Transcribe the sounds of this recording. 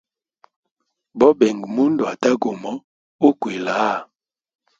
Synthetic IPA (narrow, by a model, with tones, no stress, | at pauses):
bɔ˦bɛ˨ŋɡmu˦ndwa˨ta˦ɡo˨mɔ˦ | o˦kwe˨la˨˦˨